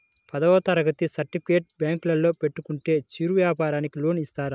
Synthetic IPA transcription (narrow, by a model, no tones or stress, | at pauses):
pɐd̪ɐʋɐt̪ɐɾɐɡɐt̪isɐɾʈːipʰikeːʈ̚bjaːŋklɐlːo̞ːpe̞ʈːukuɳʈe̞ːt͡ʃiːɾuʋjaːpaːɾaːnikilo̞ːnist̪aːɾa